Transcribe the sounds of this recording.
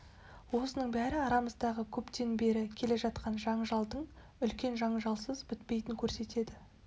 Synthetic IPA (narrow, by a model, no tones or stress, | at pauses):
wo̞sənəɴbæɾɪɑɾɑməzd̪ɑʁəkʲʰɵpt̪e̞nbe̞ɾɪkʲʰe̞le̞ʒɑt̪qɑnʒɑɴʒɑlˠd̪əɴ | ʏlkʲe̞nʒɑɴʒɑlˠsəzbɪt̪̚pe̞jt̪ɪŋkʲʰɵɾse̞t̪e̞d̪ɪ